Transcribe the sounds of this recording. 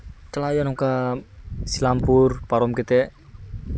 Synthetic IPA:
t͡ʃəlajɔnuka | silampurpaɾɔmkit̪ɛ

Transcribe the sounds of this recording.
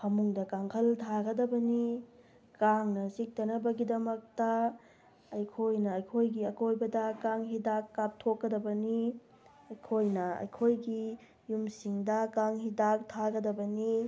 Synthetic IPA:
pʰɐmuŋdɐkaŋkʰɐltʰaɡɐdɐbɐni | kaŋnɐzik̚tɐnɐbɐɡidɐmɐk̚tɐ | ɐjkʰojnɐɐjkʰojɡiɐkʰojbɐdɐkaŋɦidakːap̚tʰokːɐdɐbɐni | ɐjkʰojnɐɐ̰jkʰojɡi | jumsiŋdɐkaŋɦidak̚tʰaɡɐdɐbɐni

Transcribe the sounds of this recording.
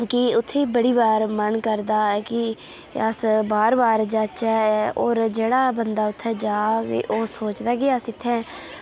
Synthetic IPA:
kɪʊt̪ʰːeːbəɽiːbaːɾmənkəɾd̪aːkɪ | əsbaːɾbaːɾd͡ʒət͡ʃɛːoːɾd͡ʒeːɽaːbənd̪aːʊt̪ʰːɛːd͡ʒaːʔoːsoːt͡ʃd̪aːkiəsɪt̪ʰːɛ̃ː

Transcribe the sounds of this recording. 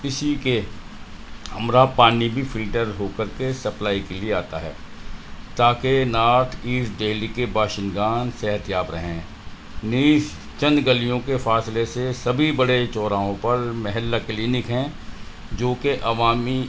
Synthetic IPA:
pɪsike | hɐmɾapaːnibʱifɪlʈəɾɦoːkəɾkesɐplaːikelieaːt̪a̰ɦɛ̰ː | t̪aːkenaːʈʰiːsɖeːlikebaːʃɪ̃nɡaːnsɛɦət̪jaːbɾɐɦẽː | niːʃ | t͡ʃɐ̃nd̪ɡɐlijõkefaːslesesɐbʱibɐɽet͡ʃɔːɾaːɦõpɐɾmɛɦɛlːakliːnɪkɦɛ̃ | d͡ʒoːkeʔɐʋaːmi

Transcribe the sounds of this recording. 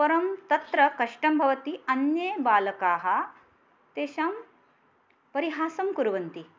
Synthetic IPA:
pɐɾɐmt̪ɐt̪ɾɐkɐʂʈɐmbʱɐʋɐt̪iɐnjeːbaːlɐkaːɦɐ̆ | t̪eːʃɐm | pɐɾiɦaːsɐmkuɾɐʋɐnt̪i

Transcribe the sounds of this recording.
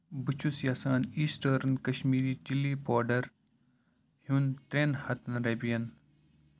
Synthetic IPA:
bɨt͡ʃʰusjasaːniːsʈəːɾnkɐɕmiːɾiːt͡ʃilːiːpoːɾɖɐɾ | huːnt̪ɾeːnhɐt̪nɾebijɐn

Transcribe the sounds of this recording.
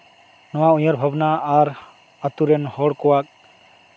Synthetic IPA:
nɔwaujɔɾbʱabnaːɾ | at̪uɾɛnhɔɽkɔwak̚

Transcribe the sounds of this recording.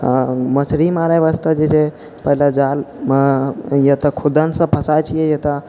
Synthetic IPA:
məsɾimaɾajʋast̪ad͡ʒet͡ʃʰe | pəɦilad͡ʒal | jət̪əkʰud̪ənsə̃pʰəsajt͡ʃʰijɛjət̪ə

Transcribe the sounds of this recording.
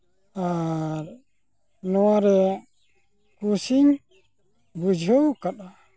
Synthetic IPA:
aɾ | nɔwaɾɛ | kusiɲ | bud͡ʒʱowkaɗa

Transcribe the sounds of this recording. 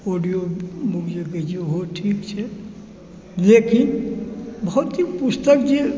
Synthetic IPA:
oɖijomukʰd͡ʒaɡed͡ʒiɦoʈʰikt͡ʃʰɛ | lekin | bɔɦut̪ikpust̪əkd͡ʒe

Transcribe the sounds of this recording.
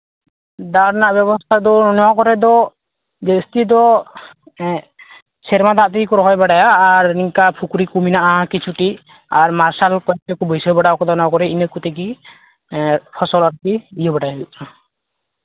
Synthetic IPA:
d̪aɾnaʔbjɛβɔst̪ʰad̪ɔnɔakɔɾɛd̪ɔ | d͡ʒest̪id̪ɔ | sʰɛɾmad̪aʔt̪ɛkikɔɾɔɦɔjbaɖajaːɾiŋkapʰukuɾikuminaʔakit͡ʃʰuʈi | aɾmaɾsalkɔt̪ɛkubɔjsɔjbaɽaɔkɔd̪ɔnɔ̃kɔɾɛinəkut̪ɛki | pʰɔsɔlaɾkiijɔbaɽajabiʔa

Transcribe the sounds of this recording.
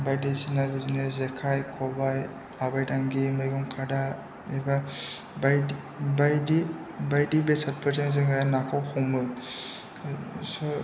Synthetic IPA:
bajdisinabizinezekʰajkʰɔbaj | abajdaŋɡimajɡɯmkʰada | eba | baj | bajdibajdibesat̚pʰəɾteŋzɯŋajanakʰɔwhɔŋmɯ | sɔ

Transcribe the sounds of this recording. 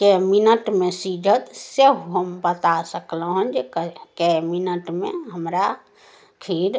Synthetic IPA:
keminəʈmesid͡ʒʱət̪seɦɦəmbət̪asəkləɦənd͡ʒekəkeminəʈmḛɦəmɾa | kʰiɾ

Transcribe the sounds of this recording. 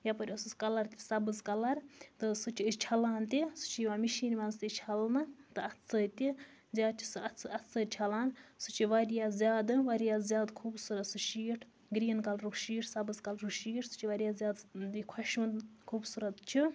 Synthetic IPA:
japɐɾʲɐsɨskɐlɐɾt̪ʲisɐbɨzkɐlɐɾt̪ɨsɨt͡ʃʰiɨt͡ʃʰɐlaːnt̪isɨ̥t͡ʃʰijʋaːmiʃiːnʲmɐnzt̪it͡ʃʰɐlnɨt̪ɨɐtt͡sɐt̪ʲi | zʲaːd̪̚t͡ʃʰi̥sɨɐt͡sɨʔɐtt͡sɨt͡ʃʰɐlaːnsɨt͡ʃʰiʋɐɾjaːzʲjaːd̪ɨʋɐɾijaːzʲjaːd̪kʰuːbsuɾɐt̪sɨʃiːʈʰ | ɡɾiːnkɐlɾukʃiːʈʰsɐbɨzkɐlɾuʃiːʈʰsɨ̥t͡ʃʰiʋɐɾijaːzjaːd̪d̪ikʰɐʃuːnkʰuːbsuɾɐt̪t͡ʃʰi

